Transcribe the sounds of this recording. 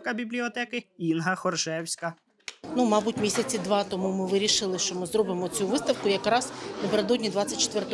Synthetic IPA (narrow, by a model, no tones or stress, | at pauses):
kɐbʲiblʲiɔt̪ɛkɪinɦɐxɔrʒɛwsʲkɐ | numɑbutʲmʲisʲɐt͡sʲid̪ʋɑt̪ɔmumɪʋɪɾʲiʃɪlˠɪʃt͡ʃɔmɪzɾrɔbɪmɔt͡sʲuʋɪst̪ɐwkʊjɐkɾɑznɐpeɾed̪ɔdʲnʲid̪ʋɑt͡sʲːɐt̚ʲt͡ʃe̥t̪ʋɛrt̪ɔ